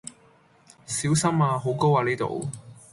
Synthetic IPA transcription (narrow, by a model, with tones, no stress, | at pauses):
siː˨˥wsɐ˥maː˧ɦo˨˥wko˥waː˨˧niː˥t̪o̰˨w